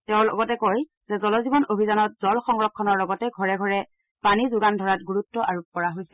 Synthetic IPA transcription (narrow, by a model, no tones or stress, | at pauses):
tɛʊ̃lɔɡɔtɛkoj | z̥ɛzɔlɔzibɔnobʱizanɔt̚zɔlxɔŋɹɔkʰːɔnɔɹlɔɡɔtɛɡʱɔɹɛɡʱɔɹɛ | panizʊɡandʱɔɹatɡuɹutːɔʔaɹupɔɹaɦojsɛ